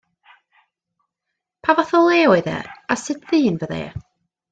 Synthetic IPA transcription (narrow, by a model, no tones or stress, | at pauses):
pʰavɔθɔlˠɛːwɔðɛ̰asɨdðiːnvəðɛ̰ː